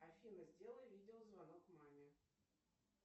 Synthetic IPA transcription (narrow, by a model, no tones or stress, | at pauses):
afʲinəzʲdʲelˠəjvʲidʲɪozvanokmamʲɪ